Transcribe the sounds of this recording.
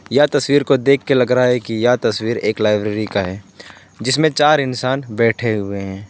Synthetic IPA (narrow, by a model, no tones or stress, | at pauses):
jat̪ɐswiːɾkod̪eːkʰːelɐɡɾaaɦɛkijat̪ɐswiːɾeːklaːɪbɾeːɾikaɦɛː | d͡ʒɪsmẽt͡ʃaːɾɪnsaːnbɛːʈʰeɦʊeɦɛ̃ː